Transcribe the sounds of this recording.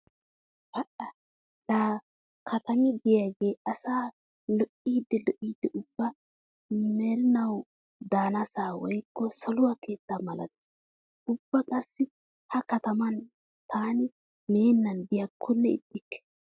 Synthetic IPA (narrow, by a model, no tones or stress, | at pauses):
bɐʔɐ | laː | kʰɐt̪ɐmɪd̪ɪjaːɡeːʔɐsaː | lɔʔiːd̪ːɛlɔʔiːd̪ːɛʔʊbːɐ | mɛɾɪnɐw | d̪aːnɐsaːwɔjkːɔsɔlʊwake̞ːt̪ːamɐlɐ̰t̪ | ʊbːɐkʼɐsːɪ | hɐkɐt̪ɐmɐn | t̪ʰaːnɪ | me̞ːnːɐnd̪ɪjakʰːʊnːɛɪ̰d̪ːɪkːɛ̥